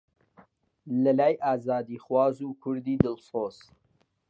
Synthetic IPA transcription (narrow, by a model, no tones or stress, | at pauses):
lɐlaːjʔaːzaːd̪iːχwaːzukʰʊɾd̪iːd̪ɨlsoːz